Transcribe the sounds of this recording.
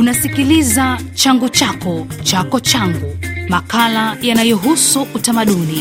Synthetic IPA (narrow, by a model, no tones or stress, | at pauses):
unasikilizat͡ʃaŋɡut͡ʃakɔt͡ʃakɔt͡ʃaŋɡumakalajanajɔɦusuʔutamaɗuni